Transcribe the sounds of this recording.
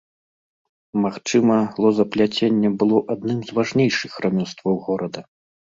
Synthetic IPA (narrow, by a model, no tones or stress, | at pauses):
maxt͡ʂɨmɐlˠɔzɐplʲat͡sʲenʲːɛbɨlˠɔʔad̪nɨmzvaʐnʲejʂɨxramʲɔst̪vɐwɣɔɾɐd̪ɐ